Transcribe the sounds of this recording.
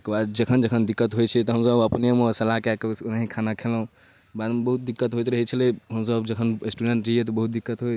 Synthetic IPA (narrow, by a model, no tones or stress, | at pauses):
ekbad̪d͡ʒəkʰənd͡ʒəkʰənd̪ikːət̪ɦojt͡ʃʰɛt̪ɔɦəmsəbəpnemesəlakekesnaɦikʰanakʰelɦũ | bad̪mebəɦut̪̚d̪ikːət̪ɦojt̪ɾəɦit͡ʃʰəlɛɦəmsəbd͡ʒəkʰənesʈuɖeɳʈɾɦet̪ɔbəɦut̪̚d̪ikːət̪ɦoj